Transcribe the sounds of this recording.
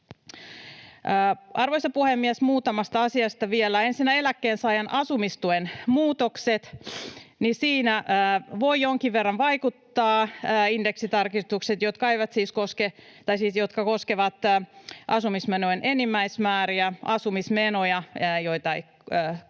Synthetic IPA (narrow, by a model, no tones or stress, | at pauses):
əːʔɑrʋoisɑpuhemːiɛsmuːt̪ɑmɑst̪ɑɑsiɑst̪ɑʋielːæe̞nsinːæe̞lækːeːnsɑːjɑnʔɑsumist̪uenmuːt̪okset̪ | nisiːnæːʋoijjːoŋkiʋʋerːɑnʋɑikut̪ːɑːindeksit̪ɑrkist̪ukset̪jot̪kɑeiʋɑt̪siːskosket̪ɑisiːsjot̪kɑkoskeʋɑt̪ːʔɑsumismenoenʔenimːæismæːɾiæɑsumismenojɑːjoit̪ɑeiː